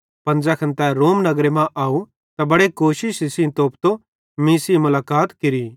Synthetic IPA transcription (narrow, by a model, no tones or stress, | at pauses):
pɐ̃nd͡zɛkʰɐ̃nt̪ɛɾoːmnɐɡɾemãʔaːu | t̪abɐɽekoːʃɪʃisĩt̪oːpt̪o | mĩːsimʊlaːkaːt̪kɪɾi